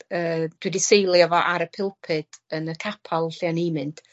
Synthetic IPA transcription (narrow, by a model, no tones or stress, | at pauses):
əːd̥widisejlˠjɔvɔʔaɾəpʰɪlˠpʰɨd̥ənəkʰapʰalˠɬjanimɨntʰ